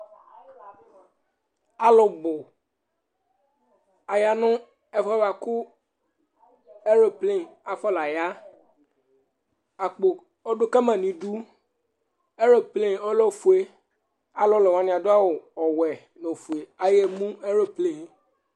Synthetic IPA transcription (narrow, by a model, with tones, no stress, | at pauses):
a˦lɔ˨bo˨ | a˨ja˨nʊ̃˦ | ɛ˨fɔ˦a˨kʊ˦ | e˦ɾo˨ple˦˨a˨fɔ˦la˨ja˦ | a˨k͡po˨ | o˦ɖʊ˦kɛ˦mã˨nĩ˨ɖu˦ | e˦ɾo˨ple˦˨o˦lɔ˦fu˨e˦ | a˦lɔ˦lɔ˨wã˨˦nĩ˨a˨d̪ʊ˦a˦wo˨ɔ˨wɛ˨ | nõ˨fu˨e˨a˨je˦mũ˦e˦ɾo˦ple˨